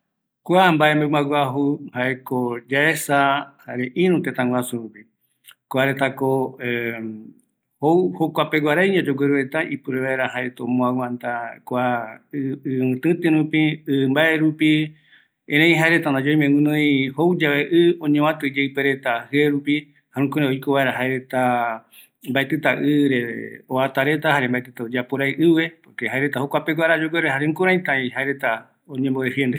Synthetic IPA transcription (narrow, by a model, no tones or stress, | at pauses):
kʷambaembemaɡʷaɦuhaekod͡ʒaesahaɾeʔĩɾ̃ũt̪et̪ãŋɡʷwasuɾupi | koaɾet̪akoe | howhokʷapeɡʷaɾajɲãd͡ʒoɡʷeɾuet̪aʔipuɾeβaeɾahaet̪omõawãnt̪akʷa | ɨɨ̃t̪ɨ̃t̪ɨ̃ɾũpiɨmbaeɾupi | ẽɾẽj̃ɦaeɾe̞t̪and̪ad͡ʒoj̃mẽwɨ̃nõj̃howd͡ʒaβeʔɨõɲẽwãt̪ɨd͡ʒeɨpeɾe̞t̪ahɨeɾupi | haɾũkoɾeojkoβaeɾaɦaeɾe̞t̪a | mbaet̪ɨt̪aʔɨɾeoat̪aɾe̞t̪ahaɾembaet̪ɨt̪aod͡ʒapoɾajʔɨʋe̞poɾkehaeɾe̞t̪ahokʷapeɡʷaɾad͡ʒoɡʷeɾehaɾeũkõɾ̃ãj̃t̪ãĩɦaeɾe̞t̪a | oɲẽmbod̪efjend̪e